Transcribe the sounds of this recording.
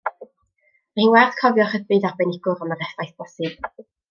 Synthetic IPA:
mahiːnwɛrd̥kʰɔvjɔχəðbɨðabɛnɪɡʊɾɔnəɾɛfajθb̥ɔsɨv̥

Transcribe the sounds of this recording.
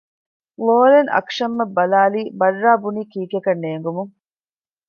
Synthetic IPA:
ʋoːleŋʔɐ̰kʂɐmːɐbːɐlaːliːbɐrːaːbuniːkiːkekɐnːeːŋɡumuŋ

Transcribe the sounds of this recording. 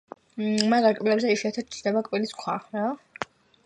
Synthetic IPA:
maɾaɾkʼvilɛbzɛiʃiat̪ʰat̪̚t͡ʃʰɾd̪ɛbakʼviliskʰwaɾa

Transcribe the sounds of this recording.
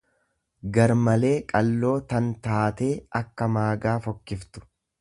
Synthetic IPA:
ɡɐɾmɐle̞ːkʼɐlːo̞ːt̪ɐnt̪aːt̪e̞ːɐkːɐmaːɡaːfɔkːɪft̪ʊ̥

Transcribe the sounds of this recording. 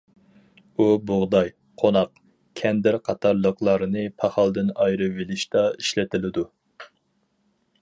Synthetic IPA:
ubʊʁd̪ɑj | qʰonɑq | kʲʰɛnd̪ɪɾqʰɑt̪ʰɑɾlˠəqlˠɑɾɨnɨpʰɑχɑlˠd̪ɨnɑjɾɨvelɪʃt̪ɑiʃlɪt̪ʰɪlɪd̪u

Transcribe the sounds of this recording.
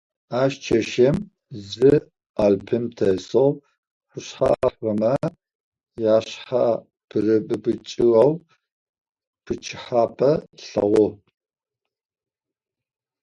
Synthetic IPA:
aːʃt͡ʃʰɐʃɐm | zɨ | aːlpʰɨmtʰɐsow | ħʷʊɕħa̰ħɐmɐ | jaːɕħa | pʰɨrɨbʼɨbɨt͡ʃʼɪwɐw | pʰɨt͡ʃʰɪħaːpʰʼɐɬɐ̰ʁʷɔ

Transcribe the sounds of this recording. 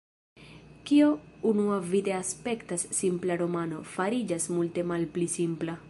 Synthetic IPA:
kiounuavide̞aspe̞ktasːimplaɾo̞mano̞faɾid͡ʒasmulte̞malplisimpla

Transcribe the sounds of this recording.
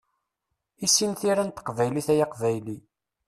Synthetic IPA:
isːinθiɾænt̪ə̥qvæjliθæjaqvæjli

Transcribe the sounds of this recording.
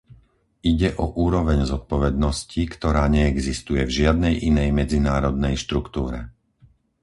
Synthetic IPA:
iɟɛʔɔʔuːɾɔʋɛɲzɔt̪̚pɔʋɛd̪nɔscikt̪ɔɾaːɲɛɛɡzist̪ujɛvʒɪad̪̚nɛjʔinɛjmɛd͡zinaːɾɔd̪nɛjʃt̪ɾukt̪uːɾɛ̰

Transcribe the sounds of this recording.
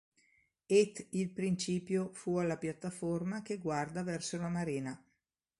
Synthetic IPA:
et̪ːilpɾint͡ʃiːpjofualːapjat̪ːaformakeɡward̪avɛrsolamaɾiːna

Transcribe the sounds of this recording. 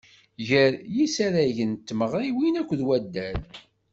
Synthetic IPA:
ʝəɾjisaɾæʝənt̪ːməʁɾiwinækʷːðwæd̪ːæl

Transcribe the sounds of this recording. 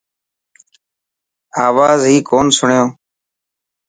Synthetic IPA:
aːʋaːzɦiːkoːnsʊɳjõː

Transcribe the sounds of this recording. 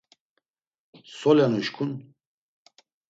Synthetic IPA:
sɔlɛnuʃkʰun

